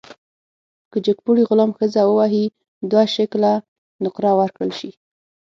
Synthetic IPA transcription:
kəd͡ʒəkpuɽiɣʊlamxəzawəwɑɦi | d̪waʃɪkla | nʊqɾɑwəɾkɽəlʃi

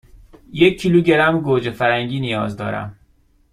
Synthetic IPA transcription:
jecʰːiːluːɟe̞ɾæmɡoːd͡ʒefæɾæŋɟiːnijɒːzd̪ɒ̰ːɾæ̰m

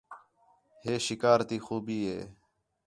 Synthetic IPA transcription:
heːʃɪkaːɾt̪iːxuːbiːɦḛː

